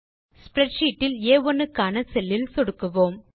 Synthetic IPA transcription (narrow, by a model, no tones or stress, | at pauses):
spɾɛʈʂiːʈːɪleːɔnːɯkːaːnɐsɛlːɪlsɔɽɯkːɯʋoːm